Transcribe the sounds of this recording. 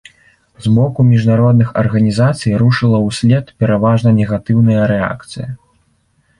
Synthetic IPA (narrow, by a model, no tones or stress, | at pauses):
zmɔkumʲiʐnaɾɔd̪nɨxɐ̰rɣɐnʲizat̪sɨjɾuʂɨlˠɐwsʲlʲɛt̪pʲɛɾavaʐnɐnʲɛɣat̪ɨwnɨjɐɾɛa̰kt̪sɨjɐ